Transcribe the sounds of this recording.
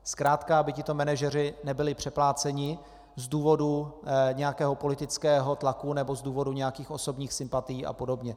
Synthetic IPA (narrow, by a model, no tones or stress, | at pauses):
skɾaːt̪kabɪcɪt̪o̞mɛnaʒɛrɪnɛbɪlɪpr̥ɛplaːt͡sɛɲɪ | zduːvo̞duɲɛjakɛːɦo̞po̞lɪt̪ɪt͡skɛːɦo̞t̪lakunɛbo̞zduːvo̞duɲɛjakiːxʔo̞so̞bɲiːxsɪmpat̪ɪjiːʔa̰po̞do̞bɲɛ